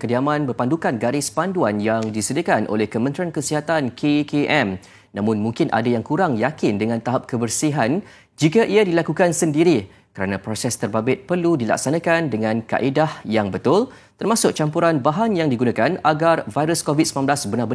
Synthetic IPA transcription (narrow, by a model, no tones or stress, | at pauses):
kədiamãnbərpandukanɡaɾɪspanduanjaŋdisədiəkanʔo̰lɛhkəmə̃nt̪ɾiankəsiɦat̪ankʰekeʔɛm | namʊ̃nmũŋkɪnʔa̰dajaŋkuɾaŋjakɪndəŋãnt̪aɦap̚kəbərsiɦan | d͡ʒikaʔiadilakukansəndiɾi | kəɾanãpɾosɛst̪ərbabɪt̪̚pərludila̰k̚sanãkandəŋãnka̰ʔidahjaŋbət̪ʊl | t̪ərmãsʊk̚t͡ʃampuɾanbaɦanjaŋdiɡunãkanaɡarvajɾəskovit̪̚səmãnblasbənabə